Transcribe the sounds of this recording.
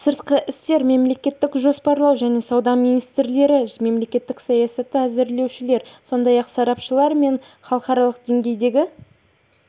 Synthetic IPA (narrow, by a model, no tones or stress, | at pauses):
səɾt̪qəʔɪst̪e̞ɾme̞mle̞kʲe̞t̪ːɪkʒo̞spɑɾlˠɑwʒæne̞sɑwd̪ɑmijnijst̪ɾle̞ɾɪme̞mle̞kʲe̞t̪ːɪksɑjɑsɑt̪ːɪæzɪɾle̞wʃɪle̞ɾso̞nd̪ɑjɑqsɑɾɑpʃəlˠɑɾme̞ɴ | χɑlˠəqɑɾɑlˠəqd̪e̞ŋɡʲe̞jd̪e̞ɡʲɪ